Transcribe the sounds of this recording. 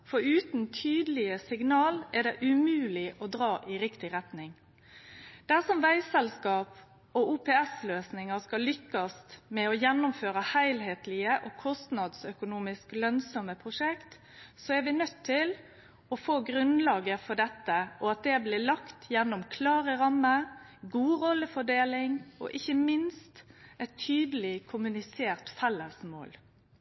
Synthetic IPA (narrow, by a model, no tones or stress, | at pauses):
fɔɾʉːt̪nt̪ʰyːd̪əlɪəsɪɡnɑːlæd̪ɛʔʉmʉːlɪʔɔd̪ɾɑːʔɪɾɪkt̪ɪɾɛt̪nɪŋ | d̪̥æsɔmʋæɪsɛlskɑːp | ɔʔuːpʰɛɛsløːsnɪŋəskɑlʏkːɑst̪mɛɔjɛnːʊmføːɾəhæɪlɦeːt̪lɪəʔɔkʰɔst̪nɑd̪sœkʊnuːmɪsklœnsɔməpʰɾʊʂɛkt̪ | sɔɛɾʋɪnœt̪ʰːɪl | ɔfoːɡɾʉnlɑːɡəfɔɖɛt̪ːəʔɔɑt̪̚d̪ɛblɪːlɑkt̪jɛnːʊmkʰlɑːɾəɾɑmːəɾ | ɡuːɾɔlːəfɔɖeːlɪŋɔ̰ʔɪçːəmɪnst̪ɛt̪ʰːyːd̪əlɪkʰʊmʉnɪseːɾt̪fɛlːəsmo̰ːl